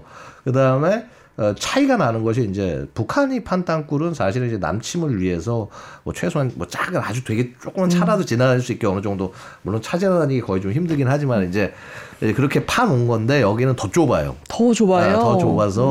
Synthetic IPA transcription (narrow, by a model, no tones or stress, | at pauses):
kɯdaɯme̞ | ʌt͡ɕʰaiɡananɯnɡʌɕ̬ʰiːnd͡ʑe̞̰pukʰaɲipʰantaŋk͈uɾɯnsʰaɕʰiɾɯnid͡ʑe̞na̰mt͡ɕʰimɯɭɥie̞sʰʌmwʌt͡ɕʰwe̞sʰoanmwʌ̰t͡ɕ͈aɡɯɾa̰d͡ʑudwe̞ɡet͡ɕ͈ok͈ɯmant͡ɕʰaɾadot͡ɕinanaɭs̬͈uik͈joʌnɯd͡ʑʌŋdo | muɭːont͡ɕʰad͡ʑiɾaaɲiɡekʌit͡ɕomçimdɯɡinɦad͡ʑimanind͡ʑe̞ | kɯɾʌkʰe̞pʰanoŋɡʌnde̞jʌɡinɯntʌt͡ɕ͈obajo̰tʌt͡ɕoajotʌt͡ɕobas̬ʰʌ